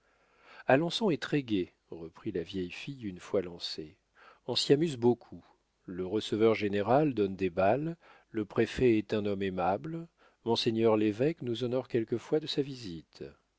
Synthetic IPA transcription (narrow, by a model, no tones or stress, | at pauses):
alɔ̃sɔ̃ɛt̪χɛɡʲe | ʁəpχilavjɛjfijynfwalɑ̃se | ɔ̃siamyzbokʰu | ləʁəsəvœʁʒeneʁald̪ɔnd̪ebalː | əpχefɛɛt̪ɛ̃nɔmemabl | mɔ̃seɲœʁlevɛknuzɔnɔʁkʲɛlkəfwad̪əsavizit̪